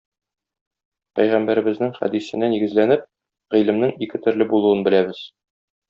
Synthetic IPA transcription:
pæjʁæmbæɾɘ̆bɘ̆znɘŋχæ̰d̪isɘ̆næniɡɘ̆zlænɘp̚ | ʁilɘ̆mnɘŋikɘt̪ɵ̆ɾlɘbulˠuɤnbɘ̆læbɘz̥

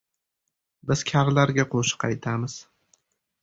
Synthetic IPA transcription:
bɪz̥kʲʰaɾlaɾɡʲaqʰoʃɪ̥qʰɑjt̪ʰamɪz̥

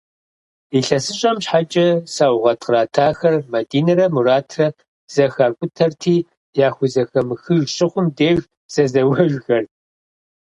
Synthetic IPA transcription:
iɬɐsɨɕʼɐmɕħat͡ʃʼɐsaːwʁɐtʰʼqəɾaːtʰaːxɐrmɐdiːnɐɾɐmuɾaːtʰrɐ | z̥ɐxaːkʷʼʊtʰɐrtʰiː | jaːxʷʊzɐxɐmɨxɨʒɕʼɪχʷʊmdeːɣ | z̥ɐzɐwɐʒʷxɐr

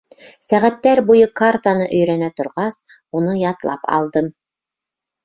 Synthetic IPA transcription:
sæʁæt̪ːæɾbujɤkart̪anɤʔɵ̆jɾænæt̪ŏɾʁɑs | un̪ɤjɑt̪lˠɑ̰pɑ̰lˠd̪ɤm

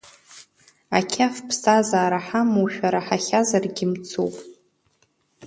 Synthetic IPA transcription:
a̰kʲʰafpʰsazaːɾaħamuʃᶣaɾaħaχʲazarɡʲɪmt͡sʰo̰wpʼ

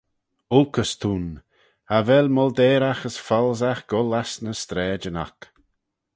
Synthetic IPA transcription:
ʊlkʰəst̪ʰun | avɛlmɔld̪ɛːɾaxəsfɔlˠzaxɡ̥ɔlasnəst̪ɾɛːd͡ʒəna̰k

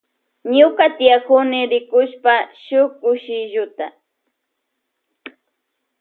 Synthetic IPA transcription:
ɲʊkat̪ɪjakʊnɪɾɪkʊʃpaʃʊkʊʃɪʒʊt̪a̰

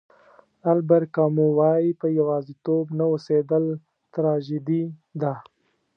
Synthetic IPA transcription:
albaɾkɑmuwɑjipəjawɑzit̪obnawosed̪əl | t̪ɾɑʒid̪id̪a

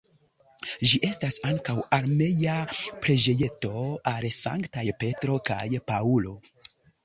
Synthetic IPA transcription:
ʒiʔe̞stasaŋkawaɾme̞japɾed͡ʒe̞je̞to̞alsa̰ŋktajpe̞tɾo̞ka̰jpaulo̞

